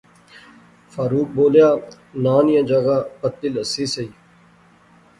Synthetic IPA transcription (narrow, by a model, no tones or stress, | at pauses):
faːɾuːk̚boːljaː | naːnjãd͡ʒaɡaːpət̪ːɪləsiːsəiː